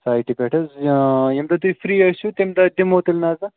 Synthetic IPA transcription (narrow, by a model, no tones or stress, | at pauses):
saːjʈipʲeʈʰɐzjɐmd̪ɐt̪uifɾiːɐʃut̪emd̪ɐɖimoːt̪ilnaːzɐ